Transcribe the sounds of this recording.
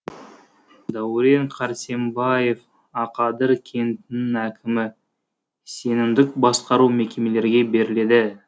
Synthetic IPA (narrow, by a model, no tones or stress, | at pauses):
d̪æwɾe̞ɴqʰɑɾsembɑje̞f | ɑqɑd̪əɾkʲʰe̞nt̪ɪnɪŋækʲʰɪmɪ | se̞nɪmd̪ɪk̚bɑsqɑɾuwmekʲe̞me̞le̞ɾɡʲe̞be̞ɾɪle̞d̪ɪ